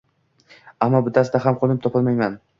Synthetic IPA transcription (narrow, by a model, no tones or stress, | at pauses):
amːɒbʊt̪ʰasɪd̪aɦamqʰolɪp̚t̪ʰɒpʰɪlmajman